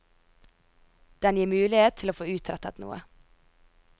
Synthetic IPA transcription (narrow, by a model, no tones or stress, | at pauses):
d̪̥ɛnjiːmʉːlɪheːt̪t̪ʰɪloːfoːʉːt̪ʰɾɛt̪ɑt̪nṵːə̰